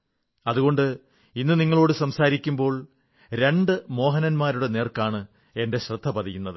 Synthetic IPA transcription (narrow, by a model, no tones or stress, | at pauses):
ɐðuɣo̞ɳɖɨ | inːɨniŋːɐɭo̞ːɽɨsɐmsaːɾikʲːumbo̞ːɭ | ɾe̞ɳɖɨmo̞ːɦɐnɐnmaːɾuɽe̞neːrkaːɳɨ | e̞nde̞ɕrɨd̪ʱːɐpɐðijunːɐðɨ